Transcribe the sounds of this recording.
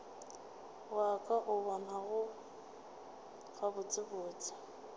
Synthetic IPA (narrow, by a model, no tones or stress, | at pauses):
wakʼaʔʊbamaɣʊ | ɣabʊt͡sʼɪbʊːt͡sʼḁ